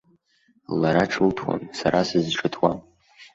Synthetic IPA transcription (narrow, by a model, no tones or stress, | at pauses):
laɾaʈ͡ʂʰɨltʰwa̰nsaɾasɨzʈ͡ʂʰɨtʰwa